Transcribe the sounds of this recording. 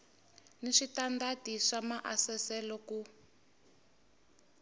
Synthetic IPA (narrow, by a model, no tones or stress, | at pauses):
niʂitandatiʂamaʔasɛsɛlɔku